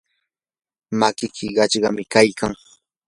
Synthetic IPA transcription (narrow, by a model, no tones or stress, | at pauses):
makɪkʰɪɢɑt͡ʃɢɑmɪkajkaŋ